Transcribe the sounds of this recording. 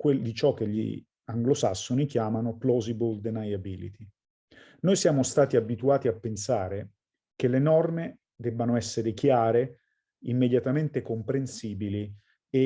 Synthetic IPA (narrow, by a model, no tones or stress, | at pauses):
kwed̪it͡ʃɔk̟ːeʎːḭ | aŋɡlosa̰sːonik̟jaːmanoplɔzibold̪enajabilḭt̪i | nojsjaːmost̪aːt̪iabit̪uaːt̪iapːensaːɾe | kelenɔrme | d̪ɛbːanoɛsːeɾekjaːɾe | imːed̪jat̪ament̪ekompɾensiːbili | e